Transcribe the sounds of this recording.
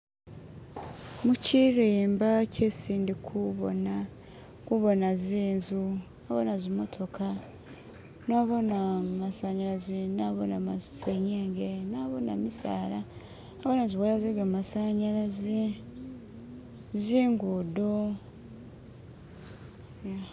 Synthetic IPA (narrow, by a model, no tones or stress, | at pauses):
muciɾiːmbacesiːndikʰuβo̰na | kuβo̞naziːnzu | aβonazimo̞tʰo̞kʰa | noβo̞namasaɲaɾazinaβonamaseɲeːŋɡenaːβona̰misa̰ːla | aβonaziβwalaziɡamasaɲaɾazi | ziːŋɡudo